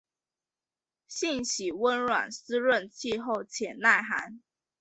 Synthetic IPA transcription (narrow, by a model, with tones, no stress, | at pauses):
ɕi˥˨ŋɕi˨˩wə˦nɻwa̰˨˩ns̩˥ɻə˥˨nt͡ɕʰi˥˧xo˥˩ʊt͡ɕʰjɛ˨˩nna˥˩ɪxa̰˧˥˦n